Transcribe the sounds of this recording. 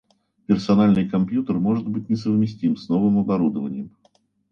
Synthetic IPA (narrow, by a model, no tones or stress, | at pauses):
pʲɪrsɐnalʲnɨjkɐmpʲjut̪ərmo̞ʐɨd̪̚bɨt̚ʲnʲɪsəvmʲɪsʲtʲimsno̞vɨmɐbɐɾud̪əvənʲɪjəm